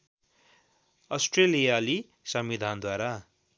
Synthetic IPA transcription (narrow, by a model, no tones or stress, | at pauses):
ʌsʈrelijali | sʌmid̪ʱand̪waɾa